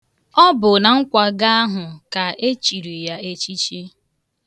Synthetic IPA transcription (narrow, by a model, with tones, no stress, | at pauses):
ɔ˦bʊ˨na˨ŋ̩˦kʷa˨ɡa˦a˦ɦʊ˨ka˨ʔe˦t͡ʃi˨ɾi˨ja˦e˦t͡ʃi˦t͡ʃi˦